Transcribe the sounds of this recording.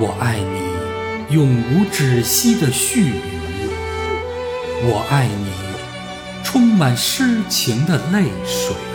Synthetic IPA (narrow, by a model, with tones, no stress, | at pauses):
wɔ˨˩ʔa˥˩ɪni˨˩˨ | jʊ˥˩ŋu˧˥ʈ͡ʂɻ̩˨˩ɕi˥d̪ə˨ɕy˥˩y˨˥˧ | wɔ˨˩ʔa˥˩ɪni˨˩˦ | ʈ͡ʂʰʊ˥ŋma˨˩nʂɻ̩˥t͡ɕʰi˧˥ŋd̪ə˧le˥˩ɪʂṵ˨˩˦